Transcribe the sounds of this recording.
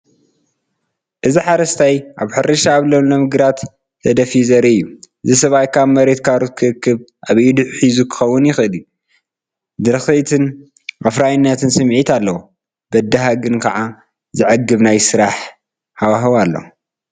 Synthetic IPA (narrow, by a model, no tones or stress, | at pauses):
ʔɨziħaɾɐst̪ʰajʔaβħɨɾɐʃaːβlomlomɨɡɾat̪ːʰ | ɐd̪ɐfizɐɾiɨjːuʔɨzisɐβajkaβmɐɾe̞t̪kʰaɾɨt̪̚kʰɨɾɨkʰːɨβʔaβjːud̪ɨʕħizukʰɨ̥xɐwːʊnjɪxɨlju | d̪ɨɾxɐjt̪ʰɨn | ʔafɾajɨnːɐt̪ʰɨnsɨmːʕit̪alːɐwu | b̥ɐd̪ːɐɦaɡɨnkʰɐʕa | zɨʕaɡːɨβnajsɨɾaħ | hawaɦɨβalːo̰